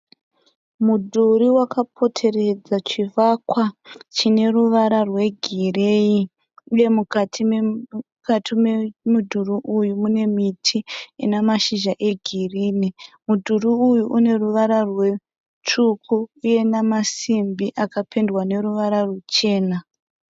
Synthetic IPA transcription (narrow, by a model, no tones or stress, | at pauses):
mudʱuɾiwakapʰo̞tʰe̞ɾe̞d͡zat͡ʃivakwat͡ʃine̞ruʋaɾarwe̞ɡʱirei | uje̞mukatʰi | katʰimemudʱuriʔujumune̞mitʰiinamaʃiʒaʔe̞ɡʱiriːnimudʱuɾiujuʔune̞ruʋaɾarwe̞ | t͡ʃukʰuːje̞namasimbiʔakapʰendwane̞ɾuʋaɾarut͡ʃe̞ːna